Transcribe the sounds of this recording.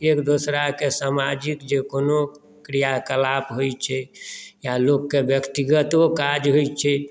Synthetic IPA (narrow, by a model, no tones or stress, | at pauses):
ekd̪osɾakesamad͡ʒikd͡ʒekono | kɾijakəlapɦojt͡ʃʰɛjalokːebjəkt̪iɡət̪okad͡ʒɦojt͡ʃʰɛ